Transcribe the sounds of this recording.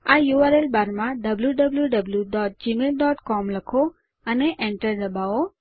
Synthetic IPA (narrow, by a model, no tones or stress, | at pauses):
ajuaɾelbaɾmãɖəbljuɖəbljuɖəbljuɖɔʈ̚d͡ʒimelɖɔʈkɔmləkʰo | əneʔẽɳʈəɾd̪əbao